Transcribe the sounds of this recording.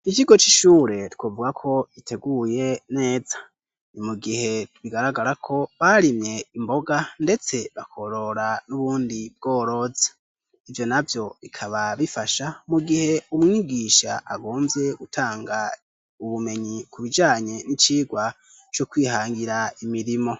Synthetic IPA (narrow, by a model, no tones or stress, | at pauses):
it͡ʃiɡo̞t͡ʃiʃuːɾe̞tkwovuɡakʰo̞ɡitʰe̞ɡuje̞ne̞ːzḁ | nimuɡihe̞tβiɡaɾaɡaɾakʰo̞βaɾimɲe̞imbo̞ɡande̞t͡se̞βakʰo̞ɾo̞ɾanuβuːndib̚ɡ̥o̞ːɾo̞zḁ | ivjo̞navjo̞βikʰaβaβifaʃamuɡihe̞umŋiːɡiʃa̰ʔaɡo̞ːmvje̞ɡutʰaːŋɡa | uβume̞ɲikuβid͡ʒaːɲe̞nit͡ʃiːɡwa | t͡ʃokwiːhaːŋɡiɾaimiɾimo̞